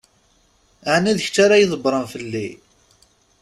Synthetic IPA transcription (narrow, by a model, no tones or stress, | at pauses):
aʕnæðəç̥t͡sːaɾajiðˤəbɾˤənfəlːi